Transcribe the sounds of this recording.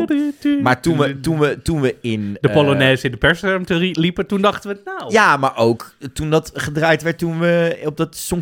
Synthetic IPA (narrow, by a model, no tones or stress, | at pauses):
maːɹtunʋətunʋətunʋəɪndəpoloneːzəɪndəpɛɹsɔmtəilipətundɑχtənʋənawjaːmaːɹʔowktundɑtχədraːjtʋɛɹt̚unʋəɔb̚dɑtsɔŋ